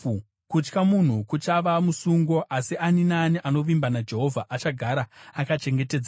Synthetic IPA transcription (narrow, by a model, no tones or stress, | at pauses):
kut͡ʃkamun̤ukut͡ʃaʋamusuŋɡo̞ʔasiʔaninaːniʔano̞ʋimbanad͡ʒe̞ɦo̞vʱaʔat͡ʃaɡʱaɾaːkat͡ʃe̞ŋɡe̞te̞d͡za